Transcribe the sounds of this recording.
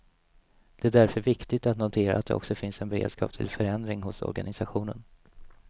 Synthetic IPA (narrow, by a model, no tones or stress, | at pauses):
d̪̥ɛːd̪æɾfœɾvɪkt̪ɪɡ̚t̪at̪nʊt̪ʰeːɾa̰a̰t̪̚d̪ɛ̰ʔɔ̰ksɔfɪnsɛnbɛɾḛːd̪skɑ̰ːp̚t̪ʰɪ̰lfœɾɛnd̪ɾɪŋɦʊsɔ̰ɾɡanɪsaɧuːnən